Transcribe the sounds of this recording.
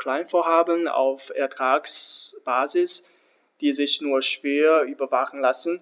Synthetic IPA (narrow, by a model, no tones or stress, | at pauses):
kl̥aɪnfoːɐɦaːbəna̰ʊfɛɐtʁ̥aːksb̥aːzɪs | d̥iːzɪçnuːɐʃv̥eːɐyːbɐvaχn̩lasn̩